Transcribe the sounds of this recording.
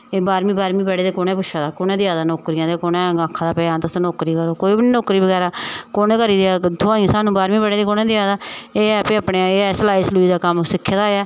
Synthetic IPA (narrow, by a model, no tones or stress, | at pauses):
eːbaːɾmĩːbaːɾmĩːbɛɽeːd̪eːkoːnɛ̃ːpʊʃʰaːd̪aːkoːnɛ̃ːd̪ɪaːd̪aːnoːkɾɪjãːt̪eːkoːnɛ̃ːɡaːkʰːãːd̪aːpɛaːnt̪ʊsnoːkɾiːkəɾoːkoːiːbinoːkɾiːbəɡɛːɾaːkoːnẽːkəɾiːd̪eɛːd̪ʰʊãːãːsaːnũːbaːɾmĩːbɛɽeːd̪eːkoːnɛ̃ːd̪ɪaːd̪aːeːɛːpeːaːpnẽːeːɛːslaːislʊiːd̪aːkəmsɪkʰːeːd̪aːɛː